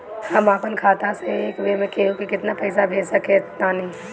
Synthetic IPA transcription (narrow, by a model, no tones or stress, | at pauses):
ɐmaːpənkʰaːt̪aseeːkbemẽkeːũkikɪt̪napɛɪsabʱeːd͡ʒsɐket̪nanĩ